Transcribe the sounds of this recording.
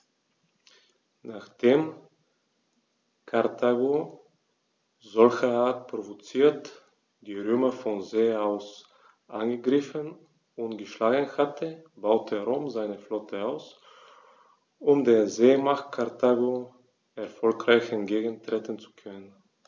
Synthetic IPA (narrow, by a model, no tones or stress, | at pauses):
naχd̥eːm | kʰaɐtʰaɡo | zɔlçɐaːɐt̚pʁ̥ovot͡siːɐt | d̥iːʁøːmɐfɔnzeːaʊs | ʔanɡəɡʁɪfən | ʊntɡ̥əʃlaːɡən̩hatʰəb̥aʊtʰəʁoːmzaɪnəflɔtʰəaʊs | ʊmdeːɐzeːmaχt̚kʰaʁtʰaɡo | ɛɐfɔlkʁaɪçɛntɡ̥eːɡən̩tʁ̥eːtən̩t͡su̥kʰœnən